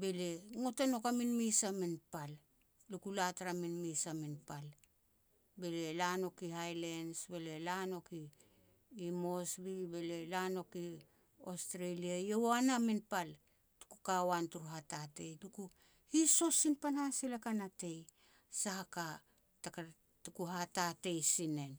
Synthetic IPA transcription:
be̞leŋo̞tano̞kaminmisamenpal | lukulataɾaminmisaminpal | be̞le̞lano̞kihajlensbe̞le̞lano̞kiː | mo̞sbibele̞lano̞ki | ostɾeliajowanaminpal | tu̥kukawantuɾuɦatate̞jluku | hiso̞sinpanhasilakanate̞j | sahaka | taka | tukuɦatate̞jsine̞n

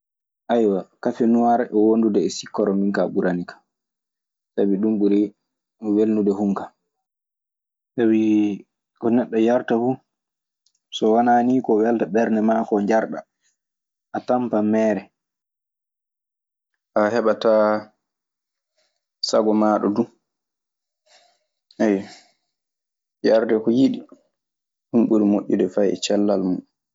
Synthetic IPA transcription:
ʔajwakafɛnuwaɾɛʔɛwondudɛːsikːɔɾɔmiŋkaɓuɾanikʰḁ | sabiɗumɓuɾi | welnudɛhuŋka | sabi | kɔnɛɗːɔjaɾtafu | sɔwanaːnikɔwɛltaɓɛɾnɛmakɔɲd͡ʒaɾɗa̰ | ʔatampamɛːɾɛ | ʔahɛɓata | saɡɔmaːɗɔdu | ʔɛj | jaɾdɛkɔjiɗi | ɗumɓuɾimoʔʲːudɛfajɛ̰t͡ʃɛlːalmun

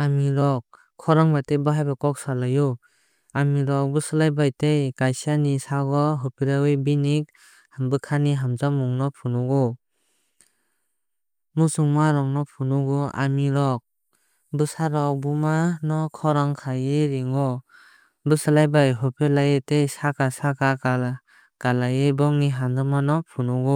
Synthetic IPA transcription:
amiɾɔk̚ | kʰːɔɾaŋbatejbɯɦajbakɔk̚salaju | amiɾɔk̚bɯsɯlajbajtejkajsanisaɡɔɦɯpʰiɾawɯjbinik̚ | hambɯkʰaniɦamzamuŋnɔpʰunɔɡɔ | musuŋmaɾɔŋnɔpʰunuɡua̰miɾɔk̚ | bɯsaɾɔbumanɔkʰɔɾaŋkʰajeɾiŋɔ | bɯsɯlajbajɦɯpʰilajetejsakasakaa | ɡ̥alajebɔŋniɦandɯmanɔpʰunuɡɔ

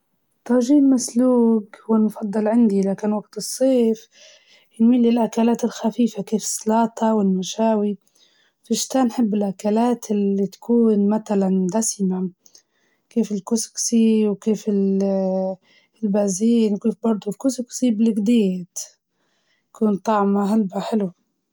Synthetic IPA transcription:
t̪ˤɑːʒiːlmasluːɡhwɪnfɑd̪ˤːɨlʕɪnd̪ilaːkɪnwaɡt̪ɨsˤːeːf | nmilːilʔakalaːt̪ɪlxafiːfakeːfɪ̥sˤːɑlɑːt̪ˤɑwɪlmaʃaːwi | fɪʃt̪aːnħɪbːɪlʔakalaːt̪ɪlːit̪ḁkuːnmat̪aland̪asma | keːfɪlkʊsksiwkeːfɪl | ɪlbaːziːnwkeːfbɑɾˤd̪ˤʊlkʊsksiːblɪɡd̪eːt̪ | jkuːnt̪ˤɑʕmaɦalbaħɪlu

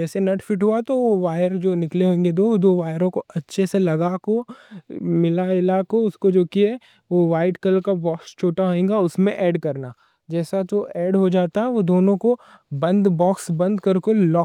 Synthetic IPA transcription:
d͡ʒɛːsenɐʈfɪʈɦuat̪oʋoʋaːjəɾd͡ʒoːnɪkleɦõːŋɡed̪oːd̪oːʋaːjəɾõkoɐtːʃʰeselɐɡako | mɪlaɪlakoʊskod͡ʒoːkiɛ | ʋoʋaːɪʈkəlkabɔːkst͡ʃʰoːʈaɦoẽːŋɡaʊsmẽʔɛːɖkɐɾnaː | d͡ʒɛːsad͡ʒoːʔɛːɖɦod͡ʒaːt̪aɦɛʋod̪oːnõko | bɐ̃nd̪bɔːksbɐ̃nd̪kɐɾkolɔː

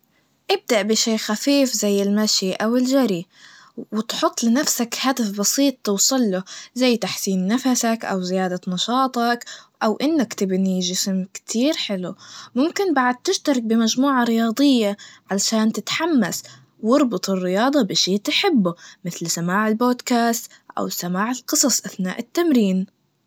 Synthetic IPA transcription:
ʔɪb̚d̪aʔbɪʃeːxafiːfzajːɪlmaʃiʔawɪld͡ʒaɾi | wɪt̪ħʊt̪ˤːlɪnafsakhad̪afbɑsiːt̪ˤːɨwsˤɨlːʊzajːt̪aħsiːnːafasakʔa̰wzɪjaːd̪anɑʃɑːt̪ˤɑkʔawʔɪnːakt̪ɪbniʒɪsmkt̪ʰiːɾħɪlumʊmkɪnbaʕad̪̚t̪ɪʃt̪ɑɾˤɑk̚bɪmad͡ʒmuːʕɑɾɪjɑːd̪ˤɨjːaʕalaʃaːnt̪ɪt̪ħamːas | wɪɾbɨt̪ˤɨrːɪjɑːd̪ˤɑbɪʃeːt̪ɪħɪbːʊmɪθlsamaːʕɪlboːd̪kaːst̪ | ʔa̰wsamaːʕɪlqɨsˤɑsˤʔaθna̰ːʔɪt̪ːamɾiːn

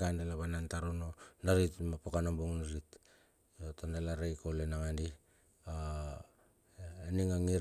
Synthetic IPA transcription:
ɡandelaβanantaɾononaɾitmapokanombuŋnaɾit | jotandalaɾejkolenaŋandi | a | niŋaŋiɾ

